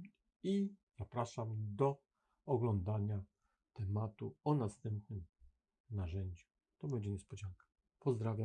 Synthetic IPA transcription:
iz̥apɾaʂamd̪ɔ | ɔɡlɔnd̪aɲa | t̪ɛmat̪uɔnast̪ɛmpnɘm | naʐɛɲd͡ʑu | t̪ɔbɛɲd͡ʑɛɲɛspɔd͡ʑaŋkḁ | pɔzd̪ɾavʲja

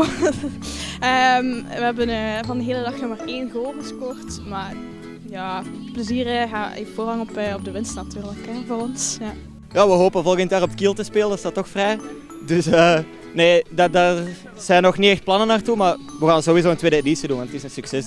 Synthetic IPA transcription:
əmʋəɦɛbənəvɑndəɦeːlədɑxnɔxmaːreːnɣəoːvəspɔːrtmaːr | jaːpləziːrəɣaːvoːrɦɑŋɔpɔb̚dəʋɪnstnatyːrləkɛvoːrɔnsja | jaːʋəɦoːpənvɔlˠəɣəntjaːrɔpətkilˠtəspeːlənsɑtːɔxfrɛj | dɵsəː | neːdɑdaːr | z̥ɛnːɔxniɛxt̚plɑnənaːrtumarʋəɣaːnzoːwizoːəntweːdəedisidunʋɑntətɪsənsyksɛs

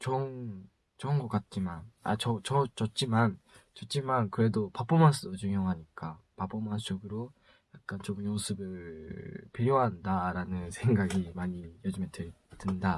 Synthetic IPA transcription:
t͡ɕʌn | t͡ɕʌɯnɡʌk͈at̚t͡ɕ͈imana̰t͡ɕʌt͡ɕʌt͡ɕʌt͡ɕ͈iman | t͡ɕʌt̚t͡ɕ͈imankɯɾe̞dopap͈omans͈ʰɯdot͡ɕuŋɦjʌŋɦaɲik͈apap͈omant͡ɕ͈oɡɯɾo | jak̚k͈ant͡ɕomɯosʰɯbɯɭ | peɾjoɦandaɾanɯnsʰe̞ŋɡaɡimaɲijod͡ʑɯmɦete | dɯnda

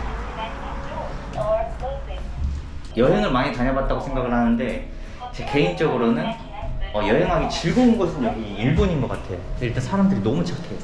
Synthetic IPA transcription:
jʌɦeŋɯɭmaɲitaɲʌbat̚t͈aɡosʰe̞ŋɡaɡɯɭhanɯnde̞ | t͡ɕeke̞int͡ɕ͈ʌɡɯɾonɯn | ʌjʌɦeŋɦaɡet͡ɕiɭɡounɡʌsʰɯnoiɭboɲinɡʌk͈atʰe̞joiɭt͈ansʰaɾamdɯɾinʌmut͡ɕʰakʰejo

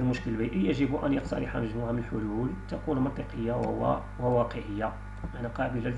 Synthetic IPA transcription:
lmʊʃkəlbiʔəjæʒəbuʔæ̰njəqt̪ɑ̰ɾˤɑħa̰məʒmuʕamənəlħʊlult̪ækunmənt̪ˤiqəjːa | wəwɑqəʕəjːa | ʔænæqɑbəlæl

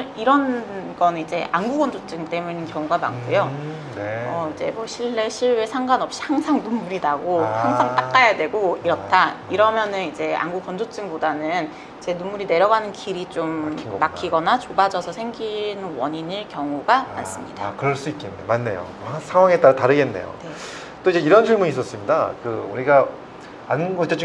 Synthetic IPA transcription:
iɾʌnɡʌnid͡ʑe̞ʔanɡuɡʌnd͡ʑot͡ɕ͈ɯŋt͈e̞munɯnkjʌŋuɡama̰ŋk͈ʰujo | ʌid͡ʑe̞̰mʌɕʰiɭːe̞ɕʰiɭwe̞sʰaŋɡwanʌp̚ɕ͈i̥haŋsʰaŋnumːuɾidaɡohaŋsʰaŋt͈ak͈ajadwe̞ɡoiɾʌt͈ʰaiɾʌmjʌnɯnid͡ʑe̞a̰nɡuɡʌnd͡ʑot͡ɕ͈ɯŋbodanɯn | t͡ɕe̞numːuɾine̞ɾjʌɡanɯnkiɾit͡ɕomiːakk͈ʰiɡʌnat͡ɕobad͡ʑʌsʰʌsʰeŋɡinɯnwʌɲiniɭkjʌŋuɡaa̰ns͈ɯmɲid̥akɯɾʌɭs͈uit̚k͈enːemanːe̞̰jo̰ohsʰaŋwaŋe̞t͈aɾataɾɯɡe̞nːe̞̰jo̰ne | t͈oid͡ʑeiɾʌnt͡ɕʰɯɭmuɲis͈ʌs͈ɯmɲida̰kɯuɾiɡa | ant͡ɕ͈ʌt͡ɕ͈u

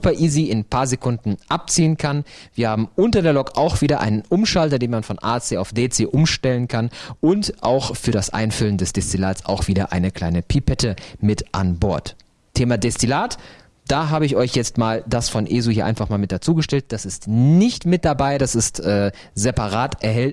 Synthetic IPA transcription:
upɐʔiːziɪnpʰaːɐzekʰʊndn̩ʔap̚t͡siːənkʰanviːɐhaːbm̩ʔʊntɐdeːɐlɔkʔaʊxv̥iːdɐʔa̰ɪnənʔʊmʃaltɐdeːnmanfɔnʔaːt͡seːaʊfd̥eːt͡seːʔʊmʃtɛlənkʰanʔʊntʔaʊxfyːɐɾasʔa̰ɪnfʏləndɛsd̥ɛstilaːt͡sa̰ʊxv̥iːdɐʔa̰ɪnəkʰl̥aɪnəpʰipʰɛtʰəmɪtʔa̰nbɔɐt | tʰːeːmadɛstilaːt | d̥aːɦaːbəɪçɔʏçjɛt͡stmaːldasfɔnʔeːzohiɐa̰ɪnfaχmaːlmɪt̚d̥at͡suːɡəʃtɛlt̚d̥asɪstnɪçtmɪt̚d̥abaɪdasɪstʔɛː | zɛpaʁaːtʔɛɐɦɛlt

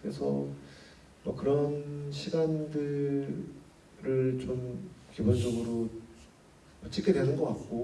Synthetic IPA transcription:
kɯɾe̞sʰʌ̰ | mʌkɯɾʌnɕʰiɡandɯ | ɾɯɭt͡ɕomkibond͡ʑʌɡɯɾo | mʌt͡ɕ͈ʰik͈ʰedwe̞nɯnɡʌk͈at̚k͈o

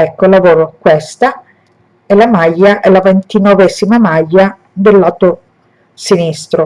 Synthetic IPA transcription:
ɛkːolavoːɾokwest̪a | ɛlamajːaʔɛlavent̪inovɛːzimamajːa | d̪elːaːt̪o | sinist̪ɾo

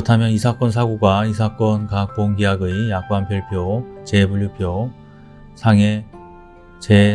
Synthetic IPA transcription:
kɯʌtʰamjʌnisʰak͈ʌns̬ʰaɡoɡwais̬ʰak͈ʌnkak̚p͈oŋɡiaɡɯjjak̚k͈anpʰjʌɭpʰjot͡ɕe̞buʎjupʰjo | sʰaŋe̞ | t͡ɕe

